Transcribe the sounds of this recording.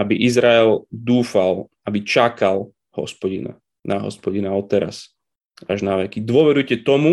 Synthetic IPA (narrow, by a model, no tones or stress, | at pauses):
abiʔizɾaɛld̪uːfal | abit͡ʃakal | hɔ̰spɔɟḭna̰ | nʔaɦɔ̰spɔɟinaɔt̪ɛɾa̰s | aʒnaʋɛkid̪ʊɔʋɛɾujcɛt̪ɔmu